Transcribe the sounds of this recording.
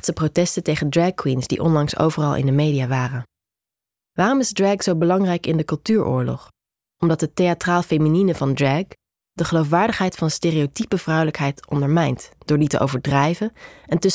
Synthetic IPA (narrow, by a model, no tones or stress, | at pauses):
tsəprotɛstəntejχəndrɛkːwinsd̥ḭʔɔ̰nlɑŋso̰wvərɑlˠʔɪ̰ndəmejdijaːʋaːrən | ʋaːrɔmɪzdrɛksowbəlɑŋrɛjkɪndəkɵlˠtyːɹʔʊ̰ːɹlɔ̰χ | ɔmdɑt̚ətejatraːlˠfejmininəvɑndɹɛk | dəχəlowfʋaːɹdəχɦɛjtfɑnsteːriotipəv̥rʌwləkɦɛjtɔ̰ndəɹmɛjntd̥ʊːɹditə̰ʔo̰wvəɹdrɛjvəɛntɵ